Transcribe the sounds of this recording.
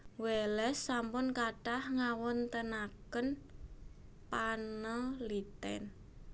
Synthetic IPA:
wɛlɛsːampʊnkaɖ̥ahŋawɔnt̪ənakən | panəlit̪ɛ̰n

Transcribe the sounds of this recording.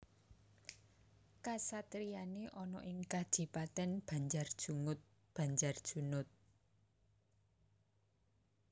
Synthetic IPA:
kasat̪ɾijaneʔɔnɔ̰ʔɪŋkad̥ʒ̥i̤pat̪ɛnb̥a̤ɲd͡ʒard̥ʒ̥uŋʊt̪̚ | b̥a̤ɲd͡ʒard̥ʒ̥ṳnʊt̪̚

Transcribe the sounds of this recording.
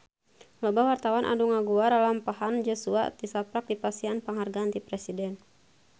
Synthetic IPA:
lɔbawart̪awanʔa̰duŋaɡuardalampaɦand͡ʒosua̰t̪isapɾak̚dipasianpəŋɦarɡaːnt̪ipɾɛsidɛn

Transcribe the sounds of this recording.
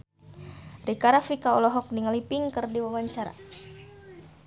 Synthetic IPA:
rikaɾafikaɔlɔɦɔk̚niŋalipiŋkɨrdiwawaɲt͡ʃaɾa̰

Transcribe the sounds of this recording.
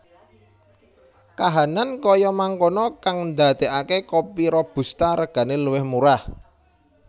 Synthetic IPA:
kaɦanankɔjɔmaŋkonɔkaŋnd̪at̪e̤ʔakekɔpiɾɔb̥ṳst̪aɾəɡ̥ä̤neluwɪhmuɾah

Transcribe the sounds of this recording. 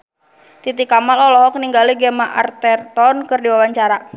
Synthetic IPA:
t̪it̪ikamalɔlɔɦɔkniŋɡaliɡɛmaʔa̰rt̪ɛrt̪ɔnkɨrdiwawaɲt͡ʃaɾa

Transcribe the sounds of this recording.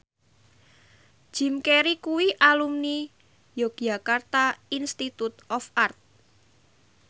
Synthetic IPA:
d͡ʒ̥i̤mkeɾikuwiʔalumni | joɡ̥jakart̪ainst̪it̪ut̪ʔɔfart̪̚

